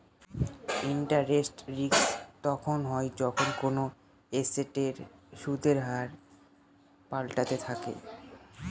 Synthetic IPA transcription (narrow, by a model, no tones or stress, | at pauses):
iɳʈaɾːesʈɾikst̪ɔkʰonɦɔed͡ʑɔkʰonkono | eseʈeɾʃud̪ʱeɾɦaɾ | palʈat̪et̪ʰakḛ